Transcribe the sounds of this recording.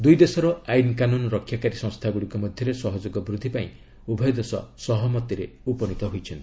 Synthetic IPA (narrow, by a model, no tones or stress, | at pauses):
d̪ujd̪esɔɾɔajnkanunɔɾɔkʰjakaɾisɔ̃ŋst̪ʰaɡuɽikɔmɔd̪ʱjɔɾesɔɦɔd͡ʒoɡɔbɾud̪ʱːipaĩ | ubʱɔjɔd̪esɔ̰sɔɦɔmɔt̪iɾḛupɔnit̪ɔɦojt͡ʃʰɔnt̪